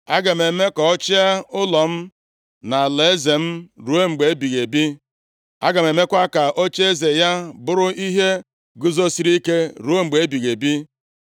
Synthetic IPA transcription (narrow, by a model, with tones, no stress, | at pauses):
a˦ɡa˨me˨me˦kɔ˨ɔ˦t͡ʃi˦a˦ʊ˦lɔ˨m̩˦ | na˨le˨e˦ze˨m̩˦ɾu˨˦e˦ŋ͡m̩˨ɡ͡be˨e˦bi˨ɣe˨bi˦ | a̰˦ɡa˨me˨me˦kʷa˦ka˨ʔo˦t͡ʃe˦ze˨ja˦bʊ˦ɾʊ˦ʔi˦ɦe˦ | ɡʊ˦zo˦si˦ɾi˦ke˦ɾu˨˦o˦ŋ͡m̩˨ɡ͡be˨e˦bi˨ɣe˨bi˦